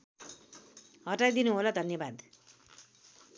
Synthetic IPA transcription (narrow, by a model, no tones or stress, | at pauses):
ɦʌʈajd̪inuɦolad̪ʱʌnjʌbad̪